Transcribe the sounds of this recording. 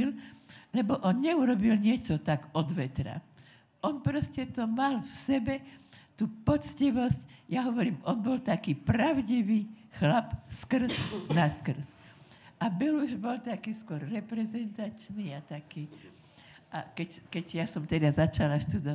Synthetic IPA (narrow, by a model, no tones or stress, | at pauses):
illɛbɔʔɔnɲɛuɾɔbilɲɪɛt͡ʃɔt̪aɡɔd̪ʋɛt̪ɾa̰ | ɔnpɾɔscɛt̪ɔmalfsɛbɛt̪uːpɔt͡sciʋɔscjaɦɔʋɔɾiːmɔnbɔlt̪akiːpɾaʊɟiʋiːxlapskr̩znaskr̩s | ʔabɛluʒbɔlt̪akiːskʊɔɾːɛpɾɛzɛnt̪at͡ʃniːat̪akiː | ʔakɛckɛɟjasɔmt̪ɛd̪azat͡ʃalaʃt̪ud̪ɔ